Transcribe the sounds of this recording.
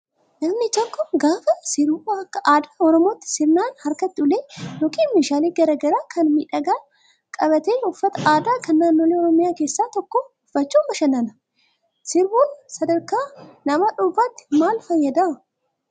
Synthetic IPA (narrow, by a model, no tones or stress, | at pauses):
nɐmnɪd͡ʒɐŋkːɔɡaːfɐsɪɾbuːɐkːɐʔaːd̪ḁːɔɾɔmoːt̪ːɪ̥sɪɾnaːnhɐɾkɐt̪ːɪʊleːnɔkiːnmeʃaːliːɡɐɾɐːɡɐɾaːkʰɐnmiːᶑɐɡaː | kʼɐbɐt̪eːnʊfːɐt̪ɐaːd̪aːkɐnːaːnːoːleːɔɾɔmɪjaːke̞ːsːaːt̪ɔkːoʊfːɐt͡ʃːuːmːɐʃɐnɐnɐ̥ | sɪɾbuːnsɐd̪ɐɾkaːnɐmaːᶑʊbaːt̪ːɪ̥maːlfɐjːɐd̪aː